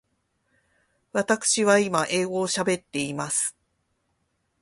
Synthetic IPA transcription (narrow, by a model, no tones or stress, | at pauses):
βat̪akɯ̥ɕiβaimaʔe̞ːɡo̞ːɕabe̞t̪ːe̞imasɨ̥